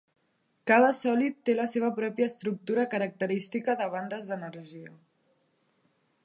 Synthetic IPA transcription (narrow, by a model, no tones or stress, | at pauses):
kaðəsɔlit̪ːeləseβ̞əpɾɔpjəːst̪ɾuk̚t̪uɾəkəɾək̚t̪əɾist̪ikəðəβ̞and̪əzðənəɾʒiə